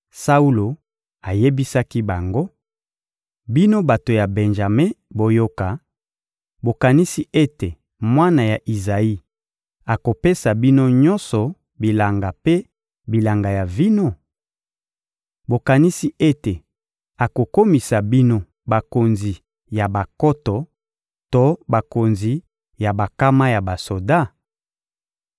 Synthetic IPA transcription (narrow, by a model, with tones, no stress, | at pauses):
sa˦u˦lo˨ | a˨je˦bi˦sa˦ki˦ba˨ŋɡo˦ | bi˦no˦ba˨to˨ja˨be˨nʒa˨me˦bo˨jo˦ka˨ | bo˨ka˨ni˦si˦ʔe˦te˨ | mwa˦na˨ja˨ʔi˨za˨i˦ | a˨ko˨pe˦sa˨bi˦no˦ɲɔ˦nsɔ˨ | bi˨la˨ŋɡa˨pe˦ | bi˨la˨ŋɡa˨ja˨vi˦no˦ | bo˨ka˨ni˦si˦ʔe˦te˨ | a˨ko˨ko˦mi˨sa˨bi˦no˦ | ba˨ko˨nzi˨ | ja˨ba˨kɔ˦tɔ˨ | to˦ba˨ko˨nzi˨ | ja˨ba˨ka˦ma˦ja˨ba˨so˨da˦